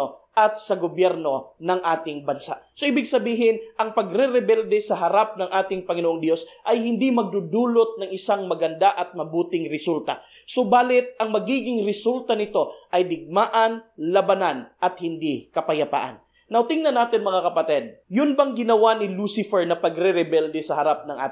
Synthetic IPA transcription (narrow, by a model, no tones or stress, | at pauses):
oʔɐt̪̚sɐɡobjɛɾno̞nɐŋʔaːt̪ɪŋbɐnsa̰ʔsoʔiːbɪɡsɐbiːɦɪnʔɐŋpɐɡɾɛɾɛbɛld̪ɛsɐɦɐɾap̚nɐŋʔaːt̪ɪŋpɐŋɪnoʔoŋd̪jo̞sʔɐjhɪnd̪imɐɡ̚d̪ud̪uːlot̪̚nɐŋɪsaŋmɐɡɐnd̪aʔɐt̪̚mɐbuːt̪ɪŋɾɪsult̪ɐ̰ | sobaːlɪt̪̚ɐŋmɐɡiːɡɪŋɾɪsult̪ɐnɪt̪o̞ʔɐjd̪ɪɡ̚maːʔɐnlɐbɐnanʔɐt̪̚hɪnd̪ikɐpɐjɐpa̰ːʔɐ̰n | nɐwt̪iŋnɐnaːt̪ɪnmɐŋakɐpɐt̪ɛd̪̚jʊnbɐŋɡɪnɐwanɪlusɪfɛɹnɐpɐɡɾɛɾɛbɛld̪ɛsɐhɐɾap̚nɐŋʔa̰ːt̪